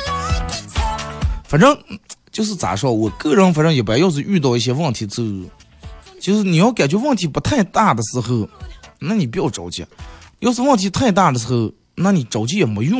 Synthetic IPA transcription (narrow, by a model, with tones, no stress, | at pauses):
fa˨˩nʈ͡ʂɤ˥˧ŋt͡ɕjo˥˧ʊʂ̬ɻ̩˥˩t͡sa̰˨˩ʂwɔ˥wɔ˨˩kɤ˥˩ɻə˧˥nfa˨˩nʈ͡ʂɤ˧˥ŋjɛ˨˩pjjo˥˧ʊʂ̬̩˥˧y˥˧t̪ɑ˥˧ʊi˥˩ɕ̬jɛ˥wə˥˩nt̪ʰi˧˥t͡sɹ̩˥˧˥ | t͡ɕʰi˧˥ʂɻ̩˥˩ni˨˩jɑ˥˩ʊka˨˩t͡ɕɥɛ˥wə˥˩nt̪ʰi˧˥pu˧˥t̪ʰa˥˧ɪt̪a˥˩d̪ə˩sɹ̩˧˥xɤ˥˩na˥˩ni˨˩p̬i˧˥jo˧˩ʊʈ͡ʂo˨˩ʊt͡ɕʰi˧˥˧jo˥˧ʊʂ̬̩˥˧wə˥˩nt̪ʰi˧˥t̪ʰa˥˧ɪt̪a˥˩d̪ə˩sɹ̩˧˥xɤ˥˧ | na˥˩ni˨˩ʈ͡ʂo˨˩ʊt͡ɕʰi˧˥jɛ˨˩me˧˥ɪjʊ˥˧